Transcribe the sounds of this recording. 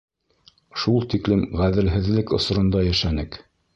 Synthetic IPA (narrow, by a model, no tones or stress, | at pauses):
ʃulˠt̪iklɘmʁæðɘ̆lɦɘ̆ðlɘkŏsɾŏnd̪ɑjæʃænɘk